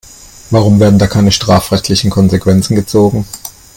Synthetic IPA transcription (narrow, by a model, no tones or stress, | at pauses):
vaʁ̞ʊmveːɐdn̩daːkʰaɪnəʃtʁ̥aːfʁɛçtʰlɪçn̩kʰɔnzekv̥ɛnt͡sn̩ɡət͡soːɡŋ̩